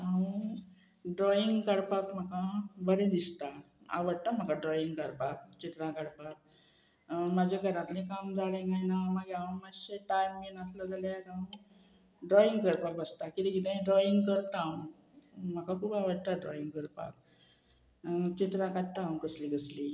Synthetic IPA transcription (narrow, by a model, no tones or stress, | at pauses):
a | ɖɾɔiŋɡkəɽpakm̤əkabəɾẽd̪ist̪a | a̰ʋəɽt̪am̤əkaɖɾɔiŋɡkəɾpak̚t͡ɕit̪ɾãkəɽpak̚ | mad͡ʑʱjaɡʱəɾãt̪lẽkamd͡zʱalẽɡajnaməɡaməɕeʈajmːinat̪ʰləd͡zaljaɾã | ɖɾɔiŋɡkəɾpak̚bəst̪akit̪ĩɡit̪̬ẽɖɾɔiŋɡkəɾt̪ãw | m̤əkakʰuːpaʋəɽt̪aɖɾɔiŋɡkəɾpa̰k̚ | t͡ɕit̪ɾãkaʈt̪ːãwkəsliɡəsli